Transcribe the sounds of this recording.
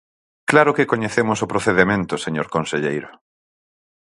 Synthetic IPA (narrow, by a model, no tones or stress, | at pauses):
klaɾʊkɪkoɲeθemʊsʊpɾoθeðemẽnt̪ʊseɲoɾkonseʎejɾʊ